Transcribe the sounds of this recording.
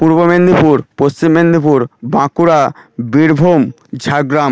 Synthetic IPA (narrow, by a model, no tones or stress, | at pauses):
puɾbomend̪ipuɾpost͡ɕimːend̪ipuɾbãkuɾabiɾbʱom | d͡ʑʱaɡɾam